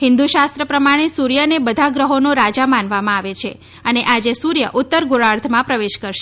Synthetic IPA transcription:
ɦɪnd̪uʃast̪ɾəpɾəmaɽ̃esuɾjənebəd̪ʱaɡɾəɦonõɾad͡ʒamãnʋamãaʋet͡ʃʰe | əneʔad͡ʒesuɾjə̰ʔʊt̪ːəɾɡuɾaɾt̪ʰmãpɾəʋeʃkəɾʃe

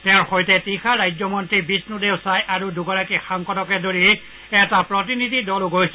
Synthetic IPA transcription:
tɛʊ̃ɹxojtɛtixʰaɹajd͡ʒɔmɔntɹibisnudeʊsajʔaɹuduɡɔɹakixaŋkɔtɔkɛdoɹi | ɛtapɹɔt̬inidʱidɔlʊɡojs

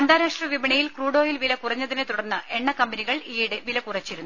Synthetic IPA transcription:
ɐnd̪aːɾaːʂʈrɐʋibɐɳɐjilkruːɽo̞ːjilʋilɐkurɐɲːɐðinet̪uɽɐrnːɨʔe̞ɳːɐkɐmbɐniɣɐɭiːɽeʋilɐkurɐt͡ɕːiɾunːu

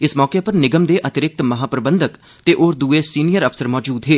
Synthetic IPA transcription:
ɪsmɔːkepəɾnɪɡəmd̪eːʔət̪ɪɾɪk̚t̪mɐɦaːpɾəbə̃nd̪ək | t̪eːʔoːɾd̪uːesiːnijəɾəfʰsəɾmɔːd͡ʒuːd̪ɦeː

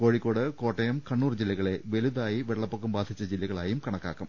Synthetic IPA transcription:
ko̞ːɻikːo̞ːɽɨko̞ːʈːɐjɐmkɐɳːuːrd͡ʑilːɐɣɐɭe̞ʋeluðaːjiʋeɭːɐpːokːumbaːd̪ʱit͡ɕːɐd͡ʑilːɐɣɐɭaːjumkɐɳɐkːa̰ːkːum

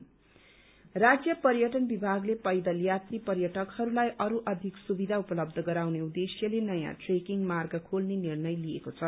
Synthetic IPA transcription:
rad͡zjʌpʌrjʌʈʌnbibʱaɡlepʌjd̪ʌljat̪ripʌrjʌʈʌkhʌɾulajʔʌɾuʔʌd̪ʱiksubid̪ʱaupʌlʌb̚d̪ʱʌɡʌɾawneud̪esjʌlenʌjã̰ʈrekiŋmarɡʌkʰolnenirnʌjliekot͡sʰʌ

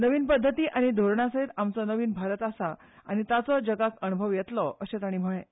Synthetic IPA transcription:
nəʋiːnpəd̪ʱːət̪iːʔaɽ̃id̪ʱoɾɳasaɦiːt̪amt͡sɔnəʋiːnbʱaɾət̪asa | aɽ̃it̪at͡sɔd͡ʑəɡakənubʱəʋjet̪lɔʔəɕẽt̪aɽ̃iːm̤əɭẽ

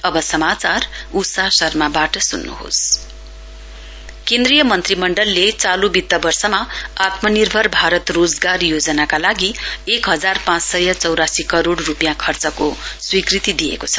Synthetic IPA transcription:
ʌbʌsʌmat͡sarusasʌrmabaʈʌsunːṵɦo̰s | kẽnd̪rijʌmʌnt̪rimʌɳɖʌlːet͡salubit̪ːʌbʌrsʌmaat̪mʌnirbʱʌrbʱaɾʌt̪rod͡zɡarjod͡zʌnakalaɡiekɦʌd͡zarpãt͡ssʌjʌt͡sʌwɾasikʌɾoɽrupjãkʰʌrt͡sʌkoswikrit̪id̪ijḛkot͡sʰʌ̥

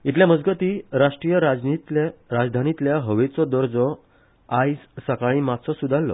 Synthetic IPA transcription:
it̪ljaməd͡zɡət̪iːɾaʂʈɾijəɾad͡zit̪ɾad͡zd̪ʱanit̪ljaɦəʋet͡sɔd̪əɾd͡zɔ | ajssəkaɭ̃imat̪sɔsud̪ʱalːɔ̰

